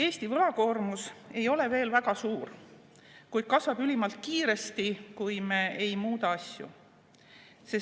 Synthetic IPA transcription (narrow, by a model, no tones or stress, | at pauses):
e̞ːst̪ivɤlɑko̞ːrmuse̞jo̞le̞ve̞ːlvæɡ̥ɑsuːr | kujd̪̥̚kɑsvɑb̥ylimɑlt̪̚kiːɾe̞st̪ikujme̞ejmuːd̪ɑɑsʲjṵ | se